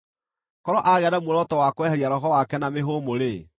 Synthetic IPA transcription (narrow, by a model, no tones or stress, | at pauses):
kɔɾɔʔaɣɛanamwoɾɔtɔwakoɛhɛɾiaɾɔɦɔwakɛnameɦomoɾe